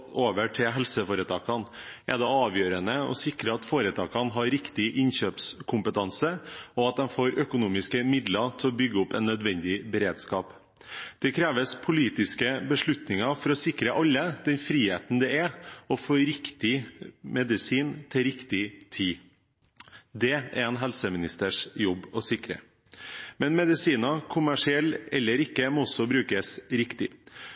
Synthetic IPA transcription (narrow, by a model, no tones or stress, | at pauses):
oːʋəʈʰɪlɦɛlsəfoːɾət̪ʰɑːkɑnʔɛ̰d̪ɛɑːʋjøːɾənəɔ̰sɪkɾəɑt̪foːɾət̪ʰɑːkɑnɦɑɾɪkt̪ɪʔɪnɕøːpskʰʊmpət̪ʰɑnsəɔɑt̪̚d̪ɛnfoːɾœkʊnuːmɪskəmɪd̪lɑt̪ʰɪlɔbʏɡːəʊpːɛnːœd̪ʋɛnd̪ɪbəɾeːd̪skɑːp | d̪̥ɛkʰɾeːʋəspʰʊliːt̪ɪskəbəʂɭʉt̪nɪŋɑfɔɾɔsɪkɾəʔɑlːəd̪̥ɛnfɾiːhḛːt̪n̩d̪ɛɛɔfoːɾɪkt̪ɪmɛd̪ɪsiːnt̪ʰɪlɾɪkt̪ɪt̪ʰiː | d̪ɛɛ̰ɾɛːnɦɛlsəmɪnɪst̪əʂjɔbːɔsɪkɾə̰ | mɛnmɛd̪ɪsiːnɑkʰʊmæʂɪɛlːɛlːəɾɪkːəmɔɔsɔbɾʉːkəsɾɪkt̪ɪ